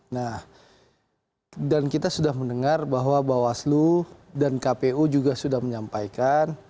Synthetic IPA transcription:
nah | dankit̪asudahməndəŋarbaɦwabawasludankapeud͡ʒuɡasudahməɲampajkan

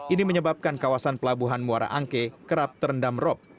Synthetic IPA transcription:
ʔiniməɲəbap̚kankawasanpəlabuɦanmuaɾa̰ʔaŋkekəɾap̚t̪əɾəndamrɔp̚

